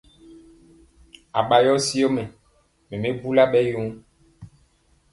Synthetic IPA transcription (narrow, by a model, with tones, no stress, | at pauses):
a˨ɓa˨jɔ˦si˦o˦mɛ˨ | mẽ˨mẽ˦bu˦la˦ɓɛ˦jo˦ŋ˦